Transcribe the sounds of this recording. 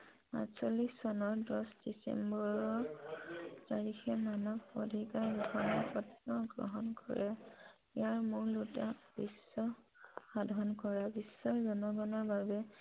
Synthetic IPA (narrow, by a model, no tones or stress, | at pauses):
a̰sɔlissɔnɔɹdɔsd̥isɛ̰mbɔɹɔ | taɹixɛmanɔkodʱikaɹɡukʰɔnɔpɔtːɔɡɹɔ̰ɦɔnkɔ̰ɹɛ | ɛjaɹmʊɹlutab̥isːɔ | xadʱɔnkɔɹabisːɔɹzɔnɔɡɔnɔɹbabɛ